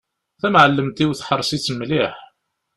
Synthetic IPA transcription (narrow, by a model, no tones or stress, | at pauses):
θæmʕəlːəmt̪iwθħəɾˤːsit͡sːəmːliħ